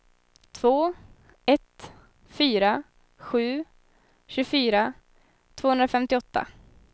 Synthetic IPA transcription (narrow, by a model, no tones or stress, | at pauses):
t̪ʰv̥oː | ɛt̪ | fyːɾa | ɧʉ̟ː | ɕʉɡfyːɾa | t̪ʰv̥oːɵnd̪ɾafɛmt̪ɪɔt̪ːa̰